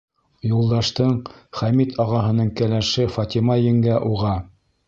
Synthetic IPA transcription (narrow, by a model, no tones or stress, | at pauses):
julˠd̪ɑʃt̪ɤɴχæmit̪ʰɑʁɑɦɤ̆nɤɴkælæʃɘfɑt̪ʲimɑjɘ̆ŋɡæʔuʁɑ